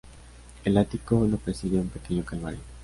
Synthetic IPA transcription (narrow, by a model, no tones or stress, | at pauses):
elat̪ikonopɾesiɣiaumpekeɲokalβa̰ɾjo